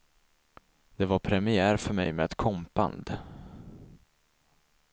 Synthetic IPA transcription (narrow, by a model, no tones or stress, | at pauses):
d̪̥ɛvaɾpʰɾɛmɪæːɾfœɾmɛjmɛɛt̪kʰɔmp̚ba̰nd̪